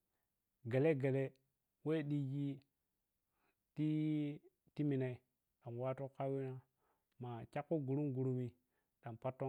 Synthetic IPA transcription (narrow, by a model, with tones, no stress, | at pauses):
ɡa˨le˦ɡa˨le˦ | we˦ɗi˦ɡi˦ | ti˦ | ti˦mi˨na˨i˦ | ɗa˨m˨wa˦to˦ka˦wi˦na˦ | ma˨t͡ʃa˦kːo˦ɡu˨ɾu˦mɡu˨ɾu˨mi˨ | ɗa˨mpa˦tːo˦